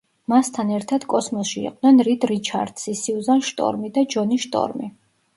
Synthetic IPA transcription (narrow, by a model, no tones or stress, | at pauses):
mast̪ʰanɛɾt̪ʰad̪̥kʼɔsmɔsʃiḭqʼd̪nɛnɾid̪ɾit͡ʃʰa̰ɾd̪̥sisiuzanʃt̪ʼɔ̰ɾmid̪ad͡ʒɔniʃt̪ʼɔ̰ɾmi